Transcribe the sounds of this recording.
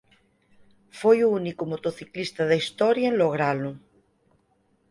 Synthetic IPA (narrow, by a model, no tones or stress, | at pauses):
fojuunikumot̪oθiklist̪aðaist̪ɔɾjaenloɣ̞ɾalu